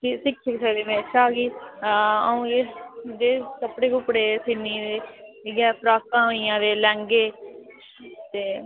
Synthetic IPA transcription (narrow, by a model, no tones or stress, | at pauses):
kisɪksɪksəkd̪eːmɛ̃ːt͡ʃʰaːɡiː | əũːɡed͡ʒeːsəpɽeːɡʊpɽeːsɪnːiːd̪eːɡɛːpʰɾaːkãːoiːãːd̪eːlɛ̃ːŋɡeː | t̪eː